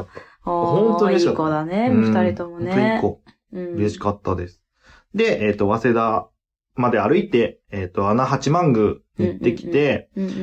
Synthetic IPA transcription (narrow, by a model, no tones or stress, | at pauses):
t̪ːḁ | hõ̞nt̪oɯɾeikatkːd̪aneɯ̃t̪aɾit̪omooikːo | ɯ̟ɾe̞ɕi̥kat̪ːad̪e̞sɨ̥ | d̪e̞ʔeːt̪ːo̞βase̞d̪a | mad̪e̞aɾɯ̟it̪e̞ːt̪ːo̞anahat͡ɕimãŋɡɯ̟ɲit̪ːe̞kʲi̥t̪e̞